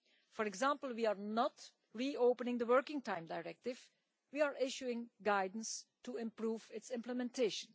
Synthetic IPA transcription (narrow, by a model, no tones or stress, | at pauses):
fɔɹɛɡzãmpəl̩ˠwiːaɹnɔt | ɹioːpənɪ̃ŋd̪əwɜɹkɪ̃ŋtãɪ̃mdaɪɹɛk̚tɪv | wiːaɹʔɪʃuɪ̃ŋɡaɪdən̩stuɪ̃mpɹuːvɪtsɪ̃mpləmɛ̃ntʰeʃə̃n